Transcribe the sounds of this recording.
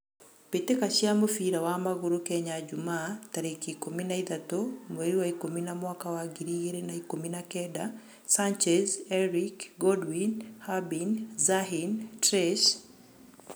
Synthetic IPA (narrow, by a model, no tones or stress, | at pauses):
petekaʃjamofiɾawamaɣoɾokɛɲad͡ʒumaːtaɾekikominaiðatomweɾiwaikominamwakawaɡiɾiɣeɾenaikominakɛda | sant͡ʃɛzɛɾikɡɔdwinhabinzaɦintɾɛʃ